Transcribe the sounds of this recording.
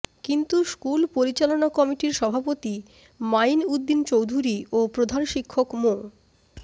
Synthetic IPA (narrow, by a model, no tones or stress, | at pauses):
kint̪uskulpoɾit͡ɕalonakɔmiʈiɾʃɔbʱapot̪i | majnud̪ːint͡ɕowd̪ʱuɾiopɾod̪ʱanʃikʰːokmo